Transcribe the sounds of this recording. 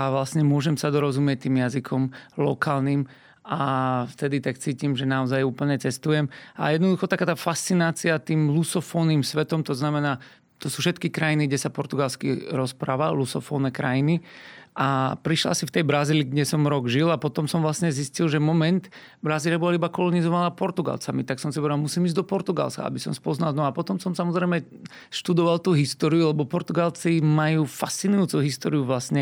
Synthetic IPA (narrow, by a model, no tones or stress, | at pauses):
aʋlasɲɛmʊɔʒɛmsad̪ɔɾɔzumɪɛc̚t̪iːmjazikʰɔmlɔkaːlniːm | ʔaft̪ɛd̪it̪ak̚t͡siːcimʒɛnaɔzajuːpl̩ɲɛt͡sɛst̪ujɛma̰jɛd̪nɔd̪uxɔt̪akaːt̪aːfast͡sinaːt͡siat̪iːmlusɔfɔːniːmsʋɛt̪ɔmt̪ɔznamɛnaː | t̪ɔsuːfʃɛt̪kikɾajiniɡɟɛsapɔɾt̪uɡalskḭɾɔspɾaːʋa̰lusɔfɔːnɛkɾajiniʔapɾiʃla̰sift̪ɛjbɾaziːliɡɟɛsɔmɾɔɡʒilapɔt̪ɔmsɔmʋlasɲɛziscilʒɛmɔmɛnt̪ | bɾaziːlɪabɔlaibakɔlɔnizɔʋanaːpɔɾt̪uɡa̰lt͡samit̪aksɔmsipɔɛd̪almusimizɟd̪ɔpɔɾt̪uɡa̰lska̰a̰bisɔ̰mspɔznalnɔapɔt̪ɔmsɔmsamɔzɾɛjmɛ | ʃt̪ud̪ɔʋalt̪uɦist̪ɔːɾijulɛbɔpɔɾt̪uɡalt͡simajuːfast͡sinujut͡suɦist̪ɔ̰ːɾiuʋlasɲɛ